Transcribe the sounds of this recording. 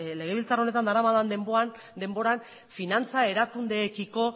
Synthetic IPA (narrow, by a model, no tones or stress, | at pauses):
le̞ɣ̞e̞βilt͡saro̞ne̞t̪and̪aɾamaðand̪emboan | d̪e̞mbo̞ɾan | finant͡sae̞ɾakund̪e̞ːkiko̞